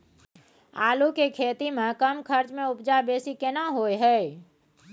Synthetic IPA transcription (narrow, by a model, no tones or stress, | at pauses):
a̰ːlukekʰeːt̪imẽkəmkʰəɾt͡ʃmẽʊpd͡ʒabeːsikenaɦoːjɦɛː